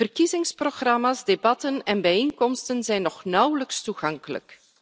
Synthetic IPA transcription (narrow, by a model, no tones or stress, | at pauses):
vərkizɪŋsproɣrɑmaːzdebɑtənɛnbɛjeŋkɔmstənzɛjnːɔχnʌwləkstuɣɑŋkələ̰k